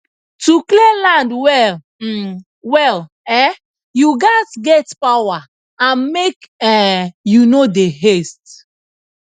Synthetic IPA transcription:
tuklelãndwɛl̩ | wɛl | ɛ | juɡazɡɛtpawa | ãnmekɛjunodeɦest

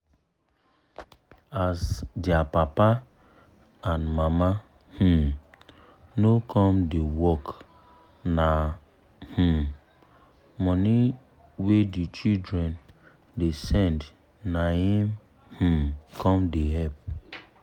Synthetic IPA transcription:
asdapapa | ãnmama | h̩ | nokɔ̃mdewɔk | na | h̩m | mɔni | wedit͡ʃidɹɛ̃n | desɛ̃nd | nahĩm | h̩kʰɔ̃mdeɦɛp̚

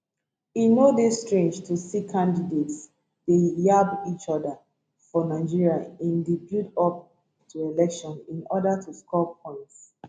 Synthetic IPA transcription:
inodestɹẽnd͡ʒtʰusikʰãndidets | d̥ejabit͡ʃɔdə | fɔnaɪd͡ʒiɹiaĩndibjudɔp̚ | tʰuelɛkʃɔ̃nĩnɔdatʰuskʰɔpʰɔ̃ɪ̃nts

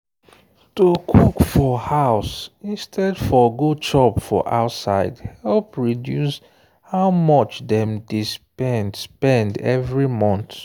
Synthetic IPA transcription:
tukʰukfɔhaʊsĩnstʰɛdfɔɡot͡ʃɔpfɔ̰ʔa̰ʊtsaɪdhɛlpɹidjus | haʊmɔt͡ʃdɛ̃mdespɛndspɛ̃ndɛ̰vɹimɔ̃nθ

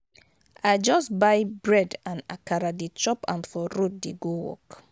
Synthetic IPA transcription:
aɪd͡ʒɔsbaɪbɹɛdãna̰kaɾadit͡ʃɔpã̰nfɔɹut̚deɡowɔ̰k

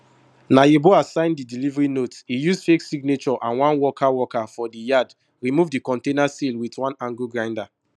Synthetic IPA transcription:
najeboasãɪ̃ndidilivɹinotsijusfeksiɡ̚net͡ʃɔʔãnwãnwɔkʰawɔkafɔdijad | ɹimuvdikɔ̃ntẽnasilwitwãnãŋɡuɡɹãɪ̃nda

